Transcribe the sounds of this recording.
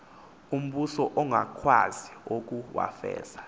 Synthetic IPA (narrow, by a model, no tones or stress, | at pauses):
um̩ɓusɔʔɔŋakʰwaziwok̬uwa̰fɛ̰ːz̥ḁ